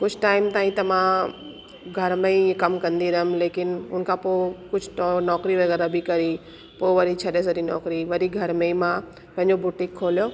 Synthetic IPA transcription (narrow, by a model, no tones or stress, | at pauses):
kʊd͡ʑʰʱʈaːɪmt̪aːĩt̪ɐmã | ɡʱɐɾmẽikɐmkɐ̃nd̪iɾɐɦʊmleːkɪnʊ̰nkʰãpoːkʊd͡ʑʱnɔːkɾiʋɐɣɛːɾabʱɪkɐɾi | poːʋɐɾit͡ɕʰɐɗes̬ɐɾinɔ̰ːkɾiʋɐɾiɡʱɐɾmeimã | pɐ̃ɦɪ̃ɲd͡ʑobʊʈɪ̃kʰːoːlijo